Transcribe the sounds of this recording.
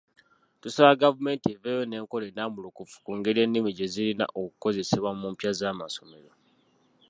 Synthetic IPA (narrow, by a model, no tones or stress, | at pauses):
tusaβaɡavume̞ntieveːjo̞ne̞ːŋko̞le̞namulukufu̥kuːŋɡe̞ɾie̞nːimiɟe̞zilina̰ʔokuko̞ze̞seβwamumpjazaːmaso̞me̞ɾo̞